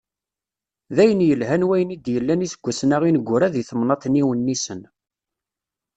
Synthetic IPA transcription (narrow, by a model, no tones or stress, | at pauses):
ðæjənjəlɦænwæjənid̪jəlːænisəɡʷːæsnæʁinəɡʷːʊɾæðiθəmnɑt̪ˤniwənːisən